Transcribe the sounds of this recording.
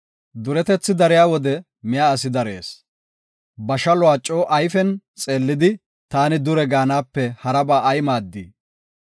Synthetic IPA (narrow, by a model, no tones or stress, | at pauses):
d̪ʊɾɛt̪ɛt͡sːɪd̪ɐɾɪjaːwɔd̪ɛ | mɪjaɐsɪd̪ɐɾeːs | bɐʃɐlɔaːt͡ʃʼːo̞ːʔɐjfɛnt͡sʼe̞ːlːɪd̪ɪ | t̪aːnɪd̪ʊɾɛɡaːnaːpːɛhɐɾɐbaːɐjmaːd̪ːḭː